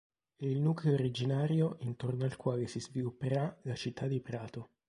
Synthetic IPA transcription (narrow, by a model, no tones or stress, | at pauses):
ɛilnuːkleoɾid͡ʒinaːɾjoʔint̪ornoalkwaːlesizvilupːeɾalat͡ʃit̪ʰːad̪ːipɾaːt̪o